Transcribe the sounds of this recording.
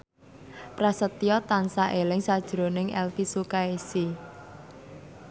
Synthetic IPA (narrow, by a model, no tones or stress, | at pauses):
pɾasət̪iɔt̪ansaʔelɪŋsad̥ʒ̥ɾonɪŋɛlfisukaesi